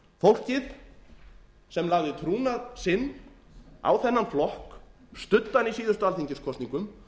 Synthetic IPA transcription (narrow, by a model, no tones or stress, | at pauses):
fowl̥cɪð | sɛmlaɣðɪt̪ʰɾuːnaðsɪnː | a̰wθɛnːanflɔhk | st̪ʏt̪ːanisiːðʏɾst̪ʏalθiɲcɪnskʰɔt̪niŋkʏm